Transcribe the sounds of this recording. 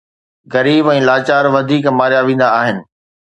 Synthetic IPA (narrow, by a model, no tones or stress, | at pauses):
ɣɐɾiːbɛ̃ːlaːt͡ɕaːɾʋɐd̪ʱiːkmaːɾjaʋẽːn̆d̪aːɦɪnɪ̆